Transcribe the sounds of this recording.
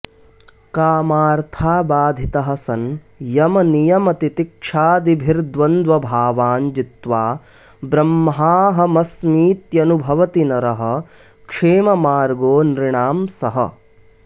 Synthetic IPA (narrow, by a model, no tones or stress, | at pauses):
kaːmaːɾt̪ʰaːbaːd̪ʱit̪ɐɦɐsɐn | jɐmɐnijɐmɐt̪it̪ikʂaːd̪ibʱiɾd̪ʋɐnd̪ʋɐbʱaːʋaːɲd͡ʒit̪ʋaː | bɾɐmːɐɦaːɦɐ̆mɐsmiːt̪jɐnubʱɐʋɐt̪inɐɾɐɦɐ̆ | kʂeːmɐmaːɾɡoːnɾiɳaːmsɐɦɐ̰